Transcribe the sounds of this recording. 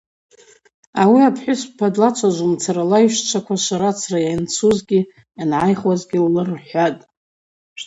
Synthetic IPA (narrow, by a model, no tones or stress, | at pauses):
awiapʰħʷᶣʊspʰadlat͡ʃʷʰaʒʷumt͡sʰaɾalaiʃt͡ʃʷʰakʷʰaʃʷaɾat͡sʰrajant͡sʰuzɡʲi | anʕajχwazɡʲilːɨrħʷatʼ